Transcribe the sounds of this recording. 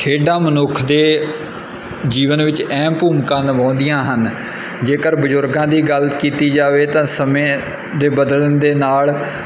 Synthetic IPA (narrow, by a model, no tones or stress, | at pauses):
kʰeːɖãːmənʊkʰd̪eː | d͡ʒiːʋənʋɪt͡ʃɛ̃ːpuːmkãːnəʋãːnd̪ɪjãːɦən | d͡ʒeːkəɾbəzʊɾɡãːd̪iːɡəlkiːt̪iːd͡ʒaːʋeːt̪ãːsəmẽː | d̪eːbəd̪ələnd̪eːnaːl